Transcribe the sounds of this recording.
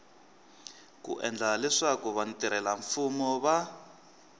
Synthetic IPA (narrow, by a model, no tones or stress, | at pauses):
kṵʔɛ̰nd͡ɮalɛʂakuβantiɾɛlaɱfumɔβa